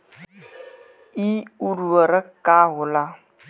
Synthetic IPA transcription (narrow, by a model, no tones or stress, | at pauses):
iuɾuəɾəkawʊla